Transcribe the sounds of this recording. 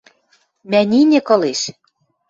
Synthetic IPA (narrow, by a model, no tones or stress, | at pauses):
mænʲinʲɘ̆kɤ̆leʃ